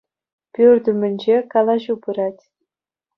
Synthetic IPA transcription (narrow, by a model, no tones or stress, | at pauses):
pʲyrʲd̪ʲɘmʲɘ̆nʲd͡ʑekɑlˠɑʑupɯɾɑtʲ